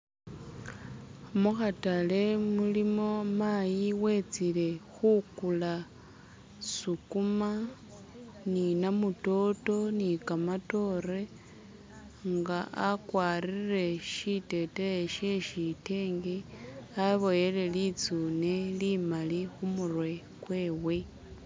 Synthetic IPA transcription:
muxatale̞mulimo̞majiwe̞t͡sile̞xukula | sukuma | ninamuto̞to̞nikamato̞ɾe̞ | ŋɡaʔakwaːɾire̞ʃite̞teeʃeʃite̞ːŋɡeaβo̞je̞le̞lit͡sune̞limalixumurwe̞ | kwe̞ːwe̞

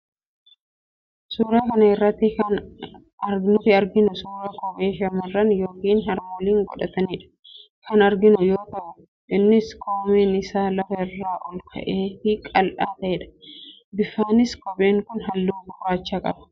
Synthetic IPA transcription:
suːɾaːkɐnɐɪrːɐt̪ːɪkɐn | ɐɾɡnʊt̪ɪɐɾɡɪnʊsuːɾaːkɔbeːʃɐmɐrːɐnjo̞ːkiːnɦɐɾmɔliːŋɡɔᶑɐt̪ɐneːᶑɐ̥ | kʰɐnɐɾɡɪnʊjoːk̪ɐbɐ | ʔɪnːɪskʰoːmeːnɪsaːlɐfɐɪrːaːʔɔlk̪ʰɐ̰ʔeːfɪkʼɐlʔaːt̪ɐʔɛᶑɐ̥ | bɪfːaːnɪskɔbe̞ːŋkʊnɦɐlːuːbʊraːt͡ʃːaːkʼɐ̰bɐ̥

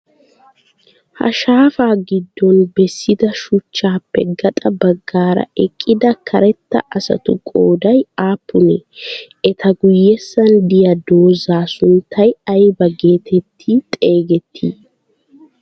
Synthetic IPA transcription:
hɐ̰ʃaːfaːɡɪd̪ːɔnbɛsːɪd̪ɐʃʊt͡ʃːaːpːɛ̰ɡɐt̪ʼɐbɐɡːaːɾɐ̰ɛkʼːɪd̪ɐkʰɐɾɛt̪ːɐ̰ʔɐsɐ̰t̪ʊkʼoːd̪ɐjaːpːʊnɛ | ɛt̪ʰɐɡʊjːɛsːɐnd̪ɪjɐd̪o̞ːzaːsʊnt̪ʰːɐjɐjbɐɡe̞ːt̪ʰɛt̪ʰːit̪ʼe̞ːɡɛt̪ʰːiː

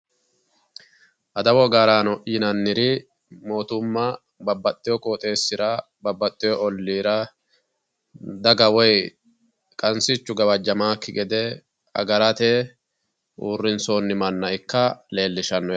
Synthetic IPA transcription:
ʔɐd̪ɐwɔɡaːɾaːnɔʔiːnɐnːɪɾɪ | mo̞ːt̪ʊmːɐ | bɐbːɐt̪ʼːɪjɔkʼoːt̪ʼe̞ːsːɪɾɐ | bɐbːɐt̪ʼːɪjɔʔɔlːiːɾɐ | d̪ɐɡɐwɔj | kʼɐnsɪt͡ʃːʊɡɐbɐd͡ʒːɐmaːkːɪɡɛd̪ɛ | ɐ̰ɡɐɾɐt̪ɛ | ʔuːrːɪnso̞ːnːɪmɐnːɐɪkːɐle̞ːlːɪʃɐnːɔ

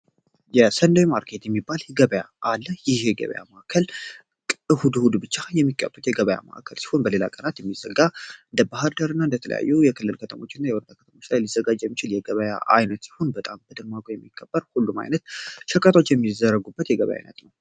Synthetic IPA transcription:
jɛsənd̪əjmaɾkʰe̞t̪jɛmːibalɡəβəjaalːəjɪheɡə̰βə̰ja̰maʔakʰəl | kʼɨhud̪hud̪bɨt͡ʃːajɛmːikʰʼːə̰bːət̪jɛɡəβəja̰ma̰ʔa̰kʰəlsi̥ho̞nbəlela̰kʼənat̪jɛmːizəɡːaɨnd̪əbahɨɾd̪əɾɨnːaɨnd̪ət̪ʰələ̰ja̰jːujɛkʰɨlːɨlkʰət̪ʰəmo̞t͡ʃːɪnːajɛwɔɾd̪akʰət̪əmo̞t͡ʃːlajlizːəɡad͡ʒːjɛmːit͡ʃɪljɛɡəβəja̰ʔa̰jnət̪si̥ho̞nbət̪ʼambəd̪ənmaɡojɛmːikʰːəb̥ːəɾhulːuma̰jnət̪ʃɨkʼːət̪ʰo̞t͡ʃːjɛmːizəɾːəɡubːət̪jɛɡəβə̰ja̰jnə̰t̪nəw

